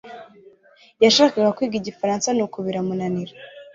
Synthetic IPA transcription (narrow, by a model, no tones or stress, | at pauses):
jaʃaːkaɡakwiːɡiɟifaɾaːnsanukuβiɾamunaniɾa